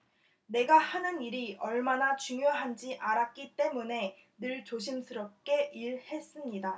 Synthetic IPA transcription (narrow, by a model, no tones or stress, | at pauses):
ne̞ɡahanɯniɾiʌɭmanat͡ɕuŋjoɦand͡ʑiʔaɾak̚k͈it͈e̞mune̞ | nɯɭt͡ɕoɕʰimsʰɯɾʌp̚k͈e̞ʔiɭhe̞s͈ɯmɲida